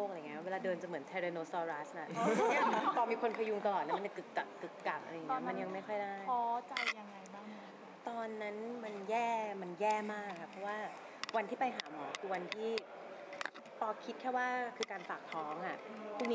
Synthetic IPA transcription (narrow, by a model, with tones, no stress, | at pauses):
o˥˩k̚a˧˨˩weː˧laː˧dɤː˧nt͡ɕa˨˩mɯ˩˦ənt̪ʰɛː˧ɾa˧noː˧sɔː˧ɾa˦˥sna˧˩˧a˧˥˩pɔː˧miː˧kʰo˧npʰa˧ju˧ŋt̪a˧lɔː˨˩lːma˧t͡ɕa˨˩kɯ˨˩kka˨˩kɯ˨˩k̚ka˨˩k̚ʔa̰˧ɾa˧jːm˧nja˧ŋma˥˩jxʰɔ˥˩jdaː˥˩jɔː˧˦t͡ɕa˧jːa˧ŋɾa˧jbaː˥˩ | t̪ɔː˧nːa˦˥nma˧njɛː˥˩ma˧njɛː˥˩maː˥˩kʰːa˦˥˩pʰɾɔ˦˥waː˥˩ | wa˧nt̪ʰiː˥˩pa˧jɦaː˩˦mɔ̰ː˩˦kʰɯː˧wa˧nt̪ʰiː˥˩ | pɔː˧kʰi˦t̪̚kʰɛː˥˩waː˥˩kʰɯː˧kaː˧nfaː˨˩k̚t̪ʰɔː˦˥ŋʔa˨˩ʔp̪ʰuː˥˩ni˦